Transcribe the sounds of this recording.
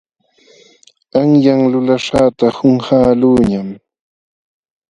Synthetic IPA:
aŋjaŋlʊlaʂaːt̪ahʊŋhaːluːɲam

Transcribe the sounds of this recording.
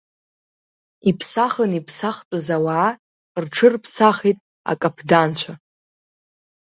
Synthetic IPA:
ipʰsaχənipʰsaχtʼazawaʕː | rʈ͡ʂʰɨrpʰsaχijtʼ | a̰kʼapʰdant͡ɕʷʰa

